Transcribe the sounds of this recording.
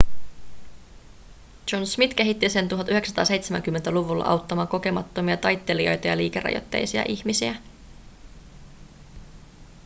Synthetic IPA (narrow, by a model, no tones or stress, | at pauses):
d͡ʒo̞nsmit̪k̟e̞ɦit̪ːisent̪uɦɑt̪yheksɑt̪ɑːse̞jt̪semæ̰ŋk̟ymːent̪æluʋulːɑ̰ʔɑ̰wt̪ːɑmɑːŋko̞k̟e̞mɑt̪ːo̞miɑt̪ɑjt̪ːe̞lio̞̰jt̪ɑjɑ̰liːkerɑ̰jo̰t̪ːe̞̰jsiɑ̰ʔiçmisiæ